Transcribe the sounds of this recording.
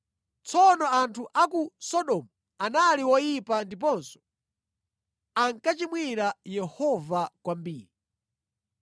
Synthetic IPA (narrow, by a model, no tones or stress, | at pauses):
t͡sʰɔnɔantʰuʔakusɔɗɔmu | analiwɔjipandip̬ɔnsɔ̥ | aŋkat͡ʃimwiɾajɛhɔvakwambiːɾii